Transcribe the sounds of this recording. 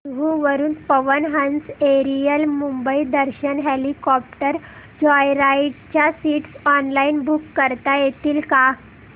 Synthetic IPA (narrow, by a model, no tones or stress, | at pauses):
ɦuʋəɾuːnpəʋənɦãnseɾijəlmumbəid̪əɾɕənɦelikɔp̚ʈəɾ | d͡ʑɔjɾaiʈ̚t͡ɕjasiʈsɔnlainbukːəɾt̪ajet̪iːlka